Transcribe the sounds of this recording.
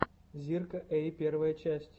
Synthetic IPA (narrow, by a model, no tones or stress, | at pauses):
zʲirkəʔejpʲervəjət͡ɕæsʲtʲ